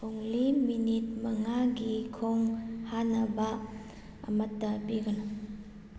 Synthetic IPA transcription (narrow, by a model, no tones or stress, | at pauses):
kʰoŋliminit̚mɐŋaɡikʰoŋhanɐba | ɐ̰mɐtːɐpiɡɐna